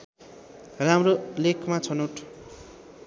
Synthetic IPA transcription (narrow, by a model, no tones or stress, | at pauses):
ramrolekʰmat͡sʰʌnoʈʰ